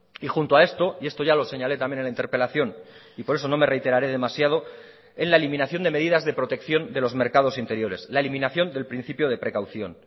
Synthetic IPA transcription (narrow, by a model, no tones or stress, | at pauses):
ixunt̪oae̞st̪o̞ie̞st̪o̞ʝalo̞se̞ɲale̞t̪amjennlaint̪eɾpe̞laθjo̞n | ipo̞ɾe̞so̞no̞me̞re̞jt̪e̞ɾaɾe̞ð̞e̞masjað̞o̞ | e̞nlae̞limĩnaθjo̞nd̪e̞me̞ðiðazðe̞pɾo̞t̪e̞kθjo̞nd̪e̞lo̞zme̞ɾkað̞o̞sint̪e̞ɾjo̞ɾe̞slae̞limĩnaθjo̞nd̪e̞lpɾin̟θipjo̞ð̞e̞pɾe̞kawθjo̞n